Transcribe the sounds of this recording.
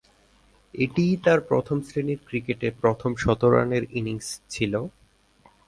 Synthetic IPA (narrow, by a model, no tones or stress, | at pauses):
eʈijt̪aɾpɾo̰t̪ʰomsɾiniɾkɾikeʈepɾot̪ʰomʃɔt̪oɾa̰neɾiniŋst͡ɕʰilo